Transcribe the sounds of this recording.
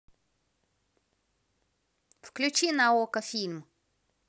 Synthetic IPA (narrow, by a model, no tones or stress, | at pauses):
fklʲʊt͡ʃinɐɔkɐfʲilʲm